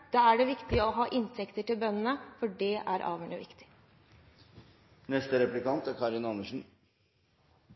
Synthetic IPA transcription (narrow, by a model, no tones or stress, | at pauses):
d̪̥ɑːæɖɛʋɪkt̪ɪəɔɦɑːʔɪnt̪ʰɛkt̪əʈɪlbœnːənəfɔɖɛæ̰ɾʔɑ̰ːʋəɳəʋɪ̰kt̪ɪ̥ | nɛst̪əɾɛplɪkɑnt̪æɾkʰɑɾɪnɑnːəʂn̩